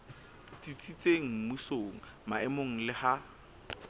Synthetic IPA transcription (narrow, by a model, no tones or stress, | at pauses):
tit͡sʼit͡sʼeŋ̩misoŋ̩ | maɛmoŋ̩lɪha